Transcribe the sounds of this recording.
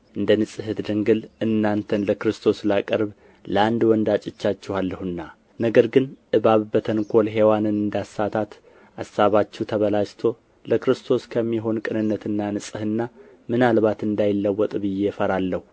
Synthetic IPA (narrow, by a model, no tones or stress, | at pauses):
ʔɨnd̪ənɨsʼɨhɨd̪d̪ɨŋɡɨlʔɨnːant̪ʰənləkɾɨst̪ʰo̞slakʼəɾβ | ləand̪wɔnd̪at͡ʃʼɪt͡ʃːat͡ʃːɛhalːəhɨnːa | nəɡəɾɡɨnʔɨβaβbət̪ʰənkʰo̞lɦe̞wanɨnɨnd̪asːat̪ʰat̪ | ʔasːaβat͡ʃːɛhwt̪ʰəβəlad͡ʒt̪ʰo̞ | ləkɾɨst̪ʰo̞skʰəmːiɦo̞nkʼɨnɨnːət̪ʰɨnːanɨsʼɨhɨnːa | mɨnalβat̪ɨnd̪ajɪlːəwːɔt̪ʼbɨje̞fəɾalːəhu